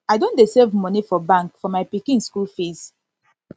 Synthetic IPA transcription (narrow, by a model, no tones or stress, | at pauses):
aɪjdõndesevmɔ̃nifɔbãŋkfɔmajpikĩnskulfis